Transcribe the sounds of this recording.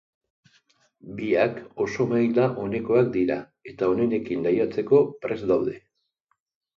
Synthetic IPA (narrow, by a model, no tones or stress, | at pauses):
biako̞so̞majlaʔo̞ne̞ko̞ak̚d̪iɾa | e̞t̪ao̞ne̞ne̞kinlajat͡se̞ko̞pɾe̞zd̪awðe̞